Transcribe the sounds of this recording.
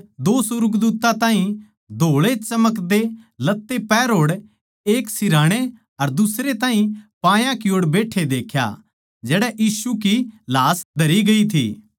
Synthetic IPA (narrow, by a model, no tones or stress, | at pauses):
d̪oːsʊɾɡd̪uːt̪ãt̪ãːɦĩ | d̪ʱoːɭet͡ʃɐməkd̪elɐt̪ːepɛːɾɦoːɽ | eːksɪɾaːɽ̃e | ɐɾd̪ʊsɾet̪ãːɦĩpãːjãkɪoːɽbeːʈʰed̪eːkʰja̰ | d͡ʒɛːɽɛʔiːsukilaːsd̪ʱɐɾiɡɐit̪ʰḭː